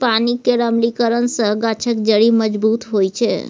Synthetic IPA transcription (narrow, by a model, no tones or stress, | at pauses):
panikeɾəmlikəɾənsə̃ɡat͡ʃʰəkd͡ʒəɽiməd͡ʒbut̪ɦojt͡ʃʰɛ